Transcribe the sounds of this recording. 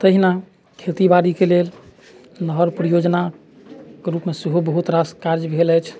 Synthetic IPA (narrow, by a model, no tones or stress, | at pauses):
t̪əɦina | kʰet̪ibaɽikelel | nəɦəɾpɾəjod͡ʒna | keɾupmesəɦobəɦut̪ɾaskaɾd͡ʒbʱeləjt͡ʃʰ